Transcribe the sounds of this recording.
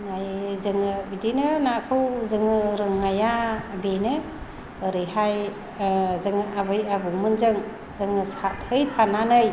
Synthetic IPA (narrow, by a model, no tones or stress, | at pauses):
najzɯŋɯbidinɯnakʰɯwzɯŋɯɾɯŋːajabenɯ | ɯɾɯjɦaj | zɯŋɯʔabɯjabɯŋmɯnzɯŋ | zɯŋɯsat̚hɯjpʰananɯj